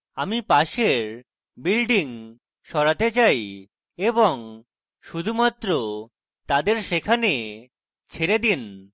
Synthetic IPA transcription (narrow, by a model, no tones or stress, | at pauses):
amipaʃeɾ | bilɖiŋ | ʃɔɾat̪et͡ɕaj | eboŋ | ʃud̪ʱumat̪ːɾo | t̪ad̪eɾʃekʰane | t͡ɕʰeɾed̪in